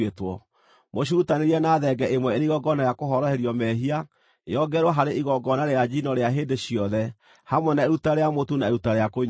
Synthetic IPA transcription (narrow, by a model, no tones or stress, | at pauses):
etwɔ | moɕ̬uutaneɾiɛnaːðɛɡɛʔemwɛeɾiɣɔɡɔnajakoɦɔɾɔheɾjɔmɛɦia | ḛjɔɡɛɾwɔɦaɾeʔiɣɔɡɔnaɾead͡ʒinɔɾeaɦeːdeɕiɔðɛ | hamwɛnaeɾutaɾejamotunaeɾutaɾejakoɲ